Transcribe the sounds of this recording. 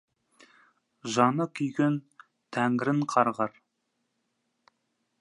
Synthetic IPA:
ʒɑnəkʲʰʏjɡʲen | t̪ʰæŋɾɪɴqʰɑɾʁɑɾ

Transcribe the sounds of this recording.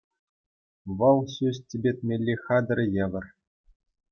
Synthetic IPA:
ʋɤ̆lˠɕʲysʲtʲebʲet̪ʲmʲelʲːixɑd̪ɤ̆rʲɤ̆jĕʋʲɘ̆r

